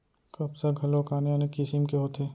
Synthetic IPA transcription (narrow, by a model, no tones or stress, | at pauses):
kɐbsaɡʱɐlokaːnjanekɪsɪmkeɦoːt̪ʰeː